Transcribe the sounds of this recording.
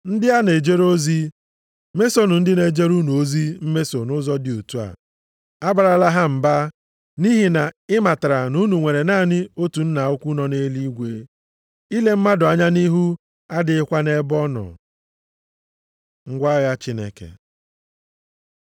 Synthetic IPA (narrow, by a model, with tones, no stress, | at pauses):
n̩˦dɪ˦a˦ne˨d͡ʒe˦ɾo˦zi˦ | me˦so˦nʊ˨n̩˦dɪ˦ne˨d͡ʒe˦ɾu˦nu˨o˦zi˦m̩˦me˦so˨nʊ˦zɔ˦dɪ˨o˨tu˦a̰˨ | a˦ba˨ɾa˨la˦ɦa˦m̩˨ba˦ | ni˦ɦi˨na˨ɪ˦ma˨ta˨ɾa˨nu˦nu˨ŋʷe˨ɾe˨naː˦˨nɪ˦o˦tu˨n̩˦na˨o˦kʷu˦nɔ˨ne˦li˦ɡʷe˦ | i˦le˦m̩˦ma˦dʊ˨a˨ɲa˦ni˦ɦu˦ | a˦dɪ˦ɪ˦kʷa˦ne˦bɔ˦nɔ̰˨ | ŋ̩˦ɡʷa˦ɣa˦t͡ʃi˦nḛ˨kḛ˨